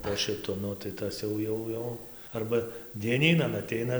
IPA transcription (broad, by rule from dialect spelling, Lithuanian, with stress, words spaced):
poː ʃʲɪˈtʊ ˈnʊ tɐɪ ˈtɐs jɛʊ ˈjɛʊ ˈjɛʊ ˈɐrbɐ dʲiɛˈnʲiːnɐn ɐˈtʲɛɪnɐ